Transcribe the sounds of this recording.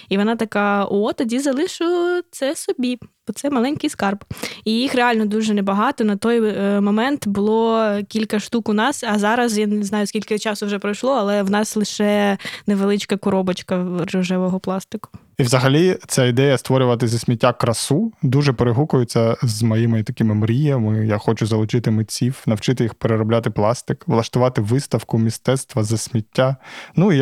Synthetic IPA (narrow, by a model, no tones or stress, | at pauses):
iʋɔnɑt̪ɐkɑʔɔt̪ɔdʲizɐlˠɪʃʊt̪sɛsɔbʲi̥ | ɔt̪sɛmɐlˠɛnʲkɪjskɑrbijixreɑlʲnɔd̪uʒɛnebɐɦɑt̪ɔnɐt̪ɔjmɔmɛnt̪bʊlˠɔkʲilʲkɐʃt̪ukʊnɑsɐzɑɾɐzjanznɑjʊskʲilʲkɪt͡ʃɑsʊwʒɛpɾɔjʃlˠɔɐlˠɛwnɑslˠɪʃɛneʋelˠɪt͡ʃkɐkʊɾɔbɔt͡ʃkɐɾɔʒɛʋɔɦɔplˠɑst̪ɪkʊ̥ | iwzɐɦɐlʲit̪t͡sʲaid̪ɛjɐst̪ʋɔɾʲʊʋɐt̪̬ɪzʲɐsʲmʲitʲːakɾɐsud̪uʒɛpeɾeɦukʊjʊt͡sʲːɐzmɐjimɪt̪ɐkʲɪmɪmɾʲijɐmɪjaxɔt͡ʃʊzɐlˠʊt͡ʃɪt̪ɪmɪt͡sʲiwnɐwt͡ʃɪt̪ɪjixpeɾeɾɔblʲat̪ɪplˠɑst̪ɪkʋlˠɐʃt̪ʊʋɑt̪ɪʋɪst̪ɐwkʊmʲist̪ɛt̪st̪ʋɐzɐsʲmʲitʲːanui